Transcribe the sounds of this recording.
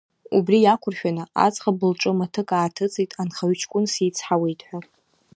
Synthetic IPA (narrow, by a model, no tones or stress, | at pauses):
ṵbrijakʷʰʊrʃᶣanɨʔa̰t͡sʼχabɨlʈ͡ʂʼɨmatʰɨkʼaːtʰɨt͡sʼijtʼanχaɥt͡ʃʰkʷʼʊnsiːt͡sʰħawejtʼħʷᶣa